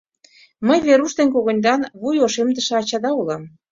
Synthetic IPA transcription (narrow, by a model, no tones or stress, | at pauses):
məjβeɾuʃd̪enk̬oɣŏnʲd̪ɑnβujoʃemd̪ə̆ʃĕɑt͡ɕɑd̪ɑulɑm